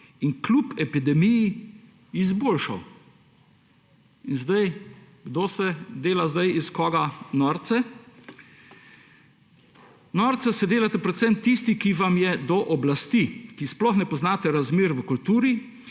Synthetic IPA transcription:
iŋklupɛpid̪ɛmiji | izboːlʃa̰w | inzd̪aj | ɡd̪oːsɛd̪eːlazd̪ajiskɔːɡanɔːɾt̪sɛ | nɔːɾt̪sɛsɛd̪eːlat̪ɛpɾɛt̪sɛmt̪ist̪ikiʋamjɛd̪ɔʔɔblast̪ikisplɔxnɛpɔznaːt̪ɛɾazmeːɾʋəkult̪uːɾi

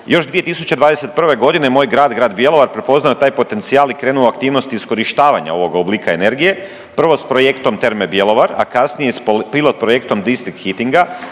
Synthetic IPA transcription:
jo̞ʃd̪ʋijet̪isut͡ɕed̪ʋaːd̪e̞set̪̚pr̩ʋe̞ɡo̞d̪ine̞mo̞ːjɡɾaːd̪ɡɾaːd̪bje̞lˠo̞ʋaɾpɾe̞po̞znaot̪aːjpo̞t̪e̞nt̪sijaːlikɾe̞ːnuoakt̪iːʋnost̪iːsko̞ɾiʃt̪aːʋaɲa̰o̞ʋo̞ɡoblˠiːkae̞ne̞ɾɡije̞ | pr̩ʋo̞spɾo̞je̞kt̪o̞mt̪e̞ɾmebje̞lo̞ʋaɾa̰kasnijespilˠot̪̚pɾo̞je̞kt̪o̞md̪ist̪ɾik̚t̪xit̪iŋɡa

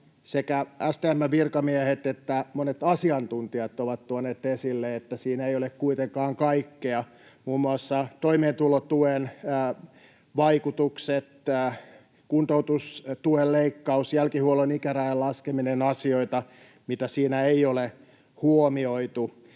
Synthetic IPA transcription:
sekææst̪eæmːæʋirkɑmiæhet̪et̪ːæmonet̪ɑsiɑnt̪unt̪iɑt̪oʋɑt̪t̪uɑneːt̪esilːeet̪ːæsiːnæeijolekkuit̪eŋkɑːŋkɑikːeɑ | muːmːuɑsːɑt̪oimeːnt̪ulot̪uenː | ʋɑikut̪ukset̪ː | kunt̪out̪ust̪uelleikːɑusjælkihuolonikæræillɑskeminenɑsioit̪ɑ | mit̪æsiːnæeiole | huomioit̪u

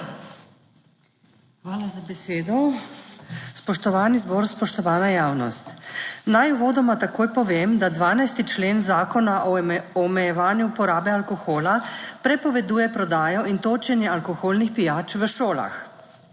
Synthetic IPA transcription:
xʋaːlazabɛseːd̪ɔ | spɔʃt̪ɔʋaːnizboːɾspɔʃt̪ɔʋaːnajaːwnɔ̰st̪najuʋoːd̪ɔmat̪akoːjpɔʋeːmd̪ad̪ʋaːnajst̪it͡ʃleːnzaːkɔnaʔɔɔmɛjɛʋaːnjuupɔɾaːbɛalkɔxoːlapɾɛpɔʋɛd̪uːjɛpɾɔd̪aːjɔʔint̪oːt͡ʃɛnjɛalkɔxoːlnixpijaːt͡ʃʋəʃoːla̰x

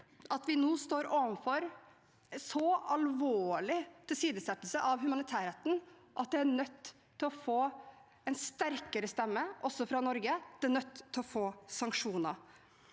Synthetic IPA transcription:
ʔɑt̪ʋɪnuːst̪oːɾoːʋənfɔɾ | sɔɑlʋoːɭɪt̪ʰɪlsiːd̪əsɛt̪l̩səʔɑʋhʉmɑnɪt̪ʰæːɾeːt̪n̩ʔɑt̪̚d̪ɛæɳœt̪ʰː | ɪɔfoː | ɛnst̪æɾkəɾəst̪ɛmːəʔɔsɔfɾɑnɔɾɡəd̪̥ɛæɳœt̪ːʰɪlɔfoːsɑŋkʂuːnə

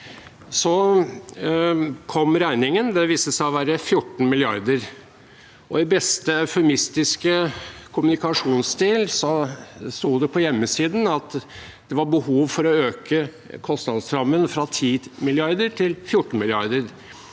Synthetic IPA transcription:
sɔ | kʰɔmɾæɪnɪŋənd̪ɛʋiːsəsæɪɔʋæːɾəfjʊʈːn̩mɪlɪɑ̰ɾd̪əɾ | ʔɔɪbɛst̪əfɛmɪst̪ɪskəkʰʊmʉnɪkɑʂuːnst̪iːlsɔst̪uːd̪ɛpʰɔjɛmːəsiːd̪n̩ɑt̪ | d̪̥ɛʋɑbəhuːʋfɔɾɔøːkʰə | kʰɔst̪nɑd̪st̪ɾɑmːənfɾɑt̪ʰiːmɪlɪɑɾd̪əɾʈʰɪlfjʊʈːn̩mɪlɪɑɾd̪əɾ

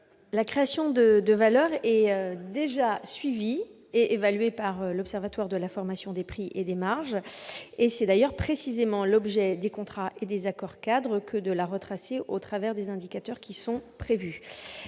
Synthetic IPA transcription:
lakχeasjɔ̃d̪əd̪əvalœʁɛød̪eʒasɥivi | eevalɥepaʁølɔpsɛʁvat̪waʁd̪əlafɔʁmasjɔ̃d̪epχiʔed̪emaʁʒesɛd̪ajœʁpχesizemɑ̃lɔbʒɛd̪ekɔ̃t̪χaʔed̪ezakɔʁkad̪ʁəkʰəd̪əlaʁət̪χaseʔot̪χavɛʁd̪ezɛ̃d̪ikat̪œʁkʲisɔ̃pχevy

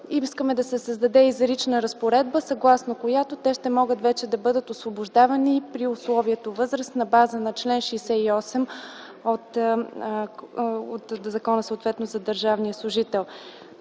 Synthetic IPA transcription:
iskəmɛd̪ɐsɛsəzd̪ɐd̪ɛizɾit͡ʃnəɾɐspoɾɛd̪̚bəsɐɡlˠasnokojat̪ot̪ɛʃt̪ɛmɔɡət̪vɛt͡ʃɛd̪ɐbɤd̪ət̪ʊsvobʊʒd̪avɐnipɾiʊslˠɔviɛt̪ovɤzɾəsnɐbazənɐt͡ʃlɛnʃɛjsɛiɔsɛm | ot̪ | ot̪zɐkɔnəsəoːt̪vɛt̪nozɐd̪əɾʒavnijəslˠʊʒit̪ɛlˠ

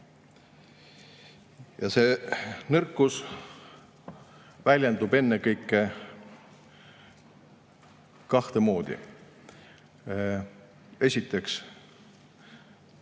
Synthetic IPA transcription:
jɑseːnɤrkːˑus | vælʲjend̪̥ub̥e̞nːekɤjkːˑe | kɑht̪e̞mo̞ːd̪̥ḭ | e̞sʲit̪ːˑe̞ks

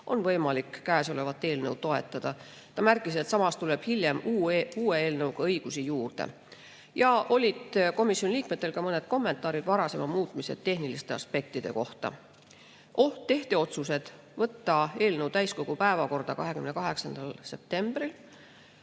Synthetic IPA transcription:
ʔo̞nvɤ̞jmɑlikːæeːso̞le̞vɑt̪ːˑe̞ːlnɤw̪̚t̪o̞e̞t̪ːˑɑd̪̥ɑ | t̪ɑmærkːˑis̬e̞t̪sɑmɑst̪ule̞b̥hiljemːuːeeːlnɤwɡ̥ɑɤjɡ̥usijuːrd̪̥e̞̰ | jɑʔo̞lʲid̪̥ko̞misjoniliːk̚me̞t̪ːe̞lkɑmɤne̞d̪̥̚ko̞mːe̞nt̪ˑɑːɾid̪̥vɑɾɑse̞mɑmuːt̪ˑmise̞̰t̪e̞ɦnilist̪e̞ɑ̰spe̞k̚t̪id̪̥e̞̰ko̞ht̪ɑ̰ | ʔo̞ht̪ːe̞ht̪e̞o̞t̪suse̞d̪̥ | vɤt̪ːɑe̞ːlnɤwt̪æjsko̞ɡ̥upæe̞vɑko̞rd̪̥ɑkɑɦe̞kymne̞kɑɦe̞ksɑnd̪̥ɑlse̞p̚t̪e̞mb̥ril

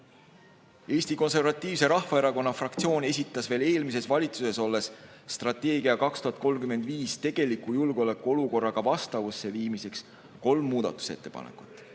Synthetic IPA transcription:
e̞ːst̪iko̞ns̬e̞rvɑt̪ˑːiːvse̞ɾɑhvɑe̞ɾɑko̞nːɑfrɑk̚t̪sio̞ːne̞sʲit̪ːˑɑsve̞ːle̞ːlmise̞svɑlʲit̪suse̞so̞lːe̞sː | t̪rɑt̪ːˑe̞ːɡ̥iɑkɑkst̪uhɑt̪̚ko̞lmkyme̞nd̪̥viːst̪e̞ɡ̥e̞likːˑujulɡ̥o̞le̞kːˑuo̞luko̞rːɑɡ̥ɑvɑst̪ɑvusːe̞viːmise̞ks | ko̞lmːuːd̪ɑ̰t̪ːˑu̥se̞t̪ːe̞pɑ̰nḛkːˑu̥t̪ːˑ

